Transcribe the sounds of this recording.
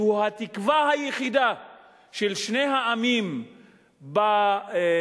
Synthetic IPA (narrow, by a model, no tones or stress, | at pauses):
uhat̪ikvahajeχid̪a | ʃelʃnejɦaamim | ba